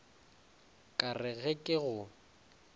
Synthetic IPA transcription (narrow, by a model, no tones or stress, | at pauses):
kʼarɪɣɛkʼɪɣʊ